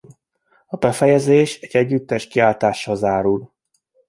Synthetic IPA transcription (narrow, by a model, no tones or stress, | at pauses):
ɒbɛfɛjɛzeːʃɛɟ̥ːɛɟːyt̪ːɛʃkiaːlt̪aːʃːɒzaːɾul